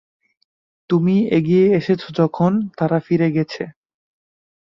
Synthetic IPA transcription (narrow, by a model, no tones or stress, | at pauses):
t̪umieɡijeeʃet͡ɕʰod͡ʑɔkʰont̪aɾafiɾeɡɛt͡ɕʰe